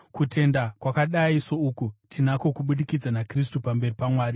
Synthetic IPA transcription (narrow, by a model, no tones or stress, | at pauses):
kutʰe̞ndakwakaɗaiso̞uːkutʰinako̞kuɓuɗikid͡zanakris̬tupambe̞ripamwaːri